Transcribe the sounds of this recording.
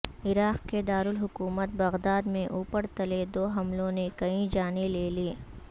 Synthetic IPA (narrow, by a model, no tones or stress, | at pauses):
ɪɾaːqked̪aːɾʊlɦʊkuːmət̪̚bɐɣd̪aːd̪mẽʔuːpəɾt̪ɐled̪oːɦɐmlõnekɐĩd͡ʒaːneleːliː